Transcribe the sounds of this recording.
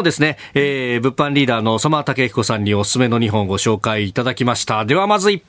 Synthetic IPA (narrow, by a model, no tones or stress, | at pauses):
od̪e̞sɨne̞ː | bɯ̟pːãɲɾʲiːd̪aːno̞somat̪ake̞çi̥ko̞sãɲ̟ːiosɨ̥sɨme̞no̞ɲ̟iɦõ̞ŋɡo̞ɕo̞ːkaiːt̪ad̪akʲimaɕi̥t̪ad̪e̞β̞amazɨi